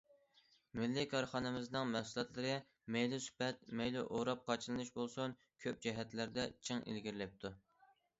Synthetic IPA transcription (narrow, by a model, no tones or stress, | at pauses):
mɪlːɪkʰɑɾχɑnɨmɪznɨŋmɛhsulˠɑt̪lˠɨɾɨ | mejlˠusy̥pɛt̪̚mejluʔoɾɑp̚qʰɑt͡ʃʰɨlˠɨnɨʃbolˠsun | kʲʰøp̚d͡ʒɛɦɛt̪læɾd̪ɛt͡ʃʰiŋḭlɡʲiɾlɛp̚t̪ʰu